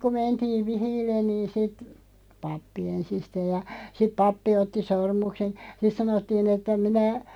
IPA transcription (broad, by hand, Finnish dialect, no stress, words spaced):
ku mentiːʋ̆ ʋihiːlːen niːn sit pɑpːi ensisteːj̆ jɑ sip pɑpːi otːi sormuksen̞ sit sɑnotːiːn etːæ minæ